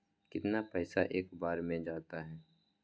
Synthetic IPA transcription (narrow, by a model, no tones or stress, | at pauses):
kɪt̪napɛːsaʔeːkbaːɾmẽd͡ʒaːt̪aɦɛː